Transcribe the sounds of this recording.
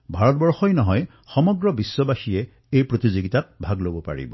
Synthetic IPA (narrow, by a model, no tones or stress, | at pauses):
bʱaɹɔtbɔɹxɔjnɔɦɔj | xɔmɔɡɹɔbisːɔbaxije | ejpɹot̪izoɡitat̚bʱaɡlobɔpa̰ɹḭbɔ